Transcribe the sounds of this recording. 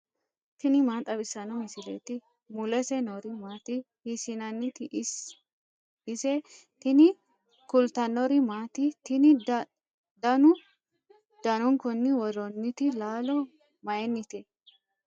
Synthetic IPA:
t̪ɪnɪmaːt̪ʼɐbɪsːɐnɔmɪsɪlḛt̪ɪ | mʊlɛsɛnɔɾɪmaːt̪ɪ | hɪsɪnɐnːɪt̪ɪʔ | ɪsɛ | t̪ɪnɪ | kʊlt̪ɐnɔɾɪmaːt̪ɪt̪ɪnɪ | d̪ɐnʊ | d̪̥ɐnɔŋkɔnːɪwɔɾɔnːɪt̪ɪlaːlɔ | mɐjɛnːɪt̪ɛ

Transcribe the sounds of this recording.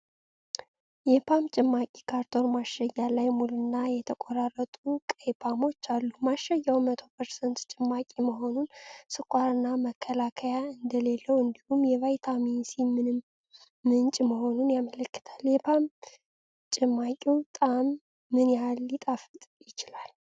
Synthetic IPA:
jɛpʰamt͡ʃʼɪmːakʼikʰaɾt̪ʰo̞nmaʃajːalajmulunːajɛt̪ʰəkʼoɾarːət̪ʼukʼəjpʰamo̞t͡ʃːalːumaʃːajawmət̪ʰo̞pʰəɾsənt̪t͡ʃʼɪmːakʼiməɦo̞nunsɨkʷʼaɾɨnːaməkʰːəlakʰəjaɨnd̪əle̞lːəwɨnd̪ihumjɛvajt̪ʰaminsimɨnː | ɨnt͡ʃʼməho̞nunjamələkːɨ̥t̪ʰḁljɛpʰam | t͡ʃʼɪmːakʼiwt̪ʼamː | ɨnjalːit̪ʼafɨt̪ʼjɪt͡ʃɪlal

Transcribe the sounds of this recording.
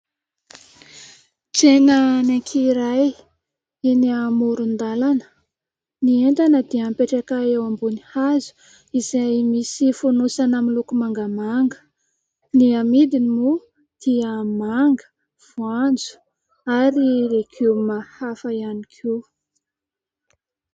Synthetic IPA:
t͡senənekʰiɾaj | iniamuɾund̪alanə̥ | nient̪anəd̪iampeʈ͡ʂakaewambunihazu̥ | izajmisifunusanamilukumaŋɡəmaŋɡə̥ | niamid̪inimu | d̪̥iəmaŋɡə̥ | v̥uand͡zu̥ | aɾiɾekʰewmahafəianikʰe

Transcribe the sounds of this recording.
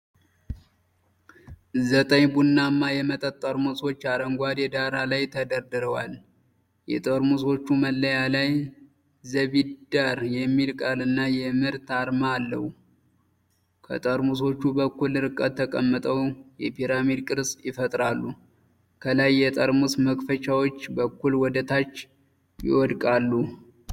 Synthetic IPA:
zət̪ʼəɲbunːamːajɛmət̪ʼət̪ʼːəɾmuso̞t͡ʃːaɾəŋɡʷad̪jɛd̪aɾalajt̪ʰəd̪əɾd̪ɨɾəwal | jɛ̰t̪ʼəɾmuso̞t͡ʃːuməlːəjalaj | zəβid̪aɾjɛmːilkʼalɨnːajɛmɨɾt̪aɾmaːlːəhu | kʰə̰t̪ʼəɾmuso̞t͡ʃːubəkːulːɨɾɨkʼːət̪ʰːəkʼəmːət̪ʼəwjɛpʰiɾamid̪kʼɨɾsjɪfət̪ʼɾalːu | kʰəlajːɛt̪ʼəɾmusməkʼfət͡ʃʼawo̞t͡ʃːbəkːulwɔd̪ət̪ʰat͡ʃː | jɪ̰wɔd̪kʼalːu

